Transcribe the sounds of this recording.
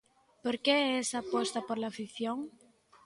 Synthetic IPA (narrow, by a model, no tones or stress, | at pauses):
poɾkeesapost̪apoɾlafiθjoŋ